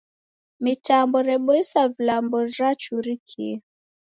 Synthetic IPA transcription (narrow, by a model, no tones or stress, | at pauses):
mitambɔɾɛɓɔisavilambɔɾat͡ʃuɾikʰḭ